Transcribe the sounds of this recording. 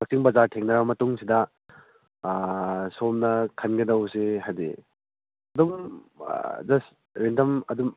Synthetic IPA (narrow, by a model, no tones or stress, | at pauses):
ɐk̚siŋbɐzaɾtʰeŋnɐɾamɐtuŋsidɐ | somnɐkʰɐnɡedɐwseɦajde | ɐdum̰ | d͡ʒɐs | ɾendɐmɐdum